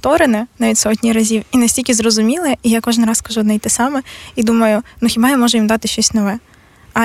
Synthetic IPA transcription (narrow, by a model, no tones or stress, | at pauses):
t̪ɔɾɪnɛnɑʋʲitʲsɔtʲnʲiɾɐzʲiwinɐsʲtʲilʲkʲizrɔzʊmʲilˠɛijakɔʒɪnrɑskɐʒuɔd̪nɛjt̪ɪsɑmɛid̪umɐjʊnuxʲibɑjamɔʒɛjimd̪ɑt̪ɪʃt͡ʃɔsʲnɔʋɛ | ɐ